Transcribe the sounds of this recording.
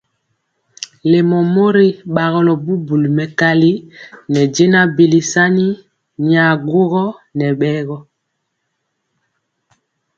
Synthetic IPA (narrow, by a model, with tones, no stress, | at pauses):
le˨mɔ˨mo˦ɾi˦ɓa˨ɣɔ˨lɔ˨bu˦bu˨li˨mɛ˨ka˦li˦nɛ˨d͡ʒe˦na˦bi˨li˨sa˦ni˦ | ɲ˨a˨ɡo˦ɣɔ˦nɛ˨ɓɛː˦ɣɔ˦